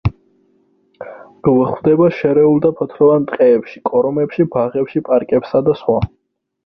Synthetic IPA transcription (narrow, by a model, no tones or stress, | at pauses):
ɡ̥vχwvd̪ɛbaʃɛɾɛulˠd̪apʰɔt̪ʰɾɔvant̪ʼqʼɛːpʃikʼɔɾɔmɛpʃibaʁɛpʃipʼaɾkʼɛpsad̪asχwa